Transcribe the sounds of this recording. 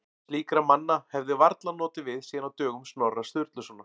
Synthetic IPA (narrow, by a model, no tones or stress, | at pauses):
liːkɾamanːahɛvðɪvaɾt̪lanɔːt̪ɪvɪðsiːðanawt̪œːɣʏmsnɔrːast̪ʏɾt̪lʏsɔna